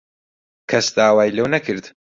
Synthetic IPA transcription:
kʰɐsd̪aːwaːjlɐwnɐkʰɨɾd̪

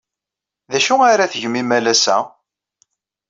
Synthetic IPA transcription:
ðæʃuaɾaθəʝmimælæsæ̰

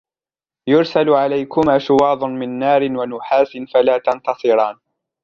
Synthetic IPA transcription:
jʊɾsalʕalajkʊmaːʃʊwɑːd̪ˤʊnmɪnːaːɾɪnwanʊħaːsɪnfalaːt̪ɑnt̪ɑsˤɨɾˤɑːn

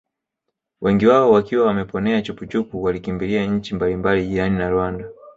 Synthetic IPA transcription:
wʔɛŋɡiwaɔwakiwawamɛpɔnɛat͡ʃuput͡ʃupuwalikimbiliaɲ̩t͡ʃimbalimbaliʄiɾaninaɾwanda

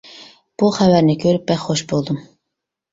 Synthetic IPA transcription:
b̥uχævæɾnɪkʲʰøɾyp̚bɛxχoʃbolˠd̪um

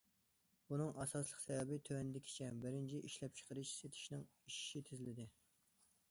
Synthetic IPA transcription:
bunɨŋʔɑsɑslˠəqsɛvɛbɪt̪ʰøwɛnɪd̪ɪkʲʰi̥t͡ʃʰɛbɪɾɪnt͡ʃʰiʔiʃlɛp̚t͡ʃʰə̥qəɾɨʃset̪ʰɪ̥ʃnɪŋiʃi̥ʃit̪ʰɪzɪlɪd̪ɪ

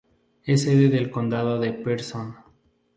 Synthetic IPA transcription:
eseðeðelkond̪aðoðepeɾson

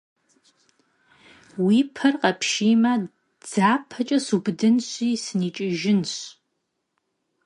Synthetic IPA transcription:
wipʰɐrqɐpʰʃiːmɐ | d͡z̥aːpʰɐt͡ʃʼɐsubdɨnɕʷiːsɨniːt͡ʃʼɪʒɪnɕ

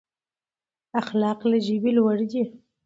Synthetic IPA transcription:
axlɑqlaʒibilwaɽd̪i

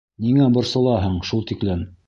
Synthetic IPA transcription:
niŋæbŏɾsɤ̆lˠɑɦɤɴʃulˠt̪iklɘn

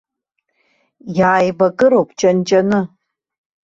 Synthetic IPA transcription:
jaːjbaɡʼɨɾowpʰʼt͡ʃʼant͡ʃʼanɨ

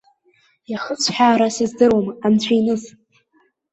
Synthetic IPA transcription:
jaχət͡sʷʰħᶣaːɾasizdɨrwamant͡ɕʷʰajnɨz

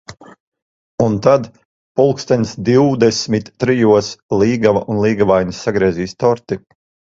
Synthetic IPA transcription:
unt̪ad̪ | pulˠkst̪ɛnʲsd̪iwd̪ɛsʲmit̪ːɾijuɔsliːɡavaʔunlˠiːɡavajnʲisːaɡɾiɛːziːst̪ɔɾt̪i

